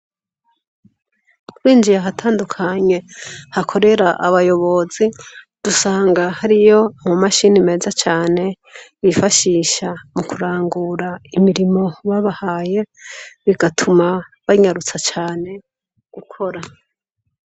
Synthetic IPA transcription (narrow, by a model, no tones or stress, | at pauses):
kuɾiːnd͡ʒijaɦatʰaːndukʰaɲe̞hakʰo̞ɾe̞ɾaʔaβajo̞βo̞zid̥usaːŋɡahaɾijo̞mumaʃinime̞ːzat͡ʃaːne̞ | βifaʃiːʃamukuɾaːŋɡuɾaimiɾimo̞βaβahaːje̞βiɡatʰumaβaɲaɾut͡sat͡ʃaːne̞ | ɡ̥ukʰo̞ɾa